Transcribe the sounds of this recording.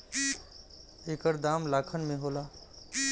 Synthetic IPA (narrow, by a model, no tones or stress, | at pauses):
eːkəɾd̪aːmlaːkʰənmẽɦoːlaː